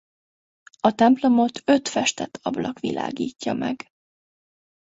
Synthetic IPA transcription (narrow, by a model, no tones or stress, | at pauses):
ɒt̪ɛmplo̞mo̞t̪ʰø̞t̪fɛʃt̪ɛt̪ʰɒblɒkʋilʔa̰ːɡiːcːɒmɛɡ